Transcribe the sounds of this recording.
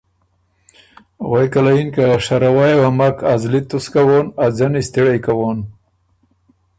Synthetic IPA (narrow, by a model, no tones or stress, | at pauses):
wajkalainkaʂaɾawajwamakʰazlit̪uskawoːnad͡zanist̪iɽajkawoːn